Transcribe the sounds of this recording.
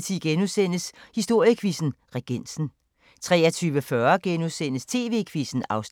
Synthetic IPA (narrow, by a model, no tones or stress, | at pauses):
t͡sʰiɡ̥enusen̰əshisd̥o̝ɐ̰jəkʰʋisn̩ʁɛɡ̥en̰sn̩ | t͡sʰʁɛ̰ːɐt͡sʰyːʋəfɶɐɡ̥enuðˠsen̰əst͡sʰe̝̰ːʋe̝̰ːkʰʋisn̩ɑ̈ʊs